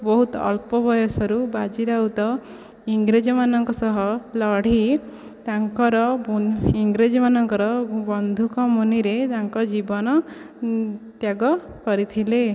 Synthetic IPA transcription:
bɔɦut̪ɔ̰lpɔbʱɔjɔsɔɾubad͡ʒiɾaut̪ɔ | iŋɡɾed͡ʒɔmanɔŋkɔsɔɦɔlɔɽ̤i | t̪aŋkɔɾɔ | iŋɡɾed͡ʒɔmanɔŋkɔɾɔbɔnd̪ʱukɔmuniɾet̪aŋkɔd͡ʒibɔnɔ | t̪jaɡɔkɔɾit̪ʰile

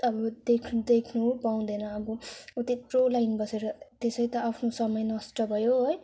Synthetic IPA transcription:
ʌbʌd̪ekʰd̪ekʰnupaw̃d̪ʌnʌːbʌut̪itrolajnbʌseɾʌt̪esʌjt̪ʌapʰnosʌmʌjnʌsʈʌbʱʌjoɦoj

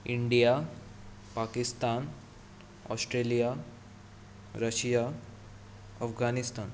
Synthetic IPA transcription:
iɳɖija | pakist̪an | ɔ̰sʈɾelija | ɾəɕija | əfɡanist̪an

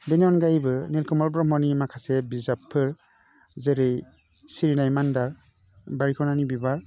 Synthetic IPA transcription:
benɔnɡajbɯnilkɔmɔlbɾɔmɔnimakʰasebizapʰːɯɾ | zeɾej | siɾinajmandaɾ | baɾikʰɔnanibibaɾ

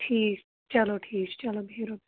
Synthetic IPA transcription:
ʈʰiːk | t͡ʃɐloʈʰiːt͡ʃt͡ʃɐlobʱiɾob

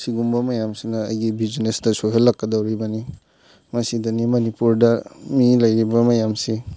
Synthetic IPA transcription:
siɡumbɐmɐjamsinɐ̰ːjɡibid͡ʒinesdɐsoɦelːɐkːɐdɐwɾibɐni | mɐsidɐnimɐnipuɾdɐmilɐjɾibɐmɐjamsi

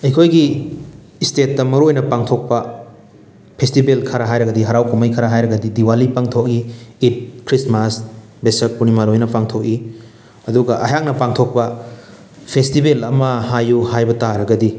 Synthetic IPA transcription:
ɐjkʰojɡiː | stet̚ːɐmɐɾojnɐpaŋtʰok̚pɐ | pʰestibelkʰaɾɐɦajɾɐɡɐdiɦɐɾawkʰomɐjkʰɐɾɐɦajɾɐɡɐdidiwalipaŋtʰok̚iːt̚kʰɾismas | besɐpunimaɾojnɐpaŋtʰok̚i | ɐduɡɐʔɐjaknɐpaŋtʰok̚pɐ | pʰestibelɐmɐhajuɦajbɐtaɾɐɡɐdi

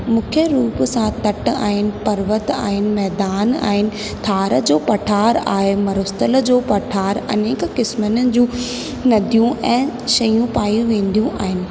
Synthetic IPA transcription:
mũːkʰeɾuːpsãt̪ɐʈa̰ːɦɪnɪ̆pɐɾʋət̪a̰ːɦɪnɪ̆mɛɦːd̪aːna̰ːɦɪnɪ̆ | t̪ʰaːɾəd͡ʑoːpɐʈʰaːɾa̰ːɦemɐɾʊst̪ələ̆d͡ʑoːpɐʈʰaːɾɐ̰neːkkɪsmənəɪ̆d͡ʑũː | nɐd̪ʱijũɛ̃ːʃɐjũpaːjũʋẽːn̆d̪ijũʔaːɦɪnɪ̆

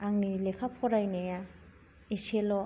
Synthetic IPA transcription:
aŋnilekʰapʰɔɾajneja | iselɔ

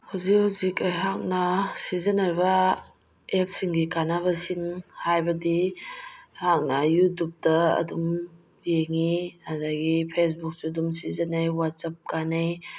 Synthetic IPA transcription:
hawzikhawzikajɦak̚nasizɐnajba | ep̚siŋɡikanaβasiŋhajbɐdi | hak̚nɐjutup̚dɐɐ̰dum | eŋiadaɡipʰes̬buk̚sudumsizɐnajwat̚sap̚kanaj

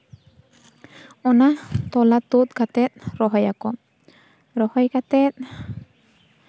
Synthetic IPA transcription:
ɔnat̪ɔlat̪ut̪̚kat̪ɛt̪̚ɾɔɦɔjakɔ | ɾɔhɔjkat̪ɛt̪̚

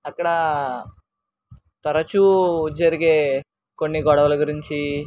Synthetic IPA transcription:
ɐkːɐɽɐ | t̪ɐɾɐt͡ʃud͡ʒɐɾiɡeː | konːiɡɔɽɐʋɐlɐɡuɾiɲt͡ʃi

